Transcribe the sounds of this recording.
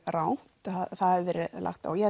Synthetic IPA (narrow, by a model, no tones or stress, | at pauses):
ɾaw̥t̪aaθaðɛɾvɛːɾɪlʔa̰xt̪a̰wjɛ